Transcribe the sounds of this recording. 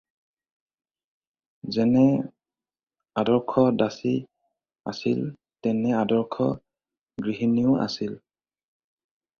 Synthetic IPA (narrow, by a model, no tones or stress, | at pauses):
zɛnɛ | adɔɹkʰɔdasi | a̰sil | tɛnɛadɔɹkʰɔ | ɡɹiɦiniʊa̰sil